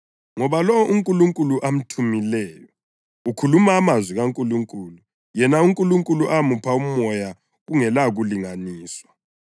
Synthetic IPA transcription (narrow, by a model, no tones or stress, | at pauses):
ŋɔβalɔwʔuŋkʼuluŋkʼuluʔam̩tʰumilɛːjɔ | ukʰulumaːmazwiɣaŋkʼuluŋkʼuːlu | jɛnauŋkʼuluŋkʼuluʔamupʰaumɔja | ɣuŋɛlaɣuliŋaniːswa